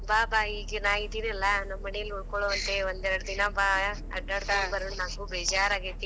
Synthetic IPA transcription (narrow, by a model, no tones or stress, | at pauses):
baːbaːiːɡɐnaːɡid̪iːnɐlːɐnɐmːɐnejɐlːuɭkoɭoʋɐnt̪eond̪ɛɾɐɽd̪inɐbaː | ɐ̰ɖːaːɽt̪ɐbɐɾuɳnaːɡubeːd͡ʒaːɾaːɡit̪ːi